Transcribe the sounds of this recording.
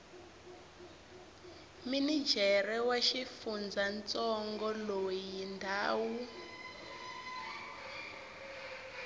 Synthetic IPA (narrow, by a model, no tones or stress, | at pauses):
minid͡ʒʱɛrɛwaʃifund͡zant͡sɔŋɡɔlojindʱaːwu